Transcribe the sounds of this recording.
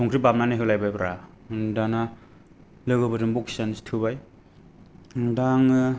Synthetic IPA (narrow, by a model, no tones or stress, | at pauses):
sʰɔŋkʰɾibamnanajɦɯwlajbajbɾa | dana | lɯɡɯbɯdɯmbɔkʰsanistʰɯbaj | daŋ